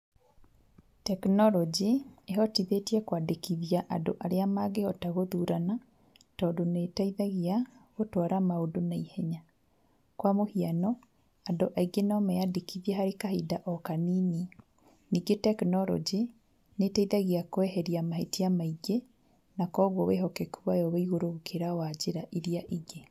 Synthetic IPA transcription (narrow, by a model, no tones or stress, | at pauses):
tɛknɔɾɔd͡ʒieɦɔtiðetiɛkwadekiðiaʔado̰ʔaɾeamaɡeɔtaɣoðuɾana | tɔdonetaiðaɣiaɣotwɔɾamaodonaihɛɲa | kwamohianɔ | adoʔaiɡenɔmɛjadekiðiaɦaɾekahidaʔɔkaniːni | niːɡetɛknɔɾɔ̰d͡ʒi | netaiðaɣiakwɛɦɛɾiamahetiamaiɡe | nakɔːɣwɔweɦɔkɛkuwajɔweiɣoɾokʰeɾawad͡ʑeɾaʔeɾiaʔiɡe